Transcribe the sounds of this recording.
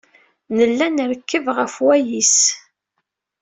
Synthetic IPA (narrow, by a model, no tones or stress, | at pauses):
nəlːænəɾkːəvʁəfwæjis